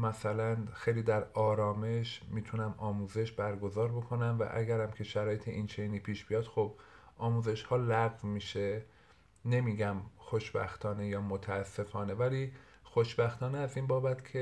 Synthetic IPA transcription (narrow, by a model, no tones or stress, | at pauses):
mæsælænxe̞jliːd̪æɾɒːɾɒːme̞ʃmiːt̪ʰunæmɒːmuːze̞ʃbæɾɡo̞zɒːɾbo̞kʰo̞næmvæ̰ʔæ̰ɡæɾæmcʰe̞ʃæɾɒːje̞t̪ʰeʔint͡ʃʰejniːpʰiːʃb̥ijɒːd̪̥xob̚ʔɒːmuːze̞ʃhɒːlæɣvmiːʃe | ne̞miːɟæmxo̞ʃbæ̰xt̪ʰɒːne̞jɒːmot̪ʰæːsːe̞fɒːne̞væliː | xo̞ʃbæxt̪ɒːneæziːnbɒːbæt̪cʰe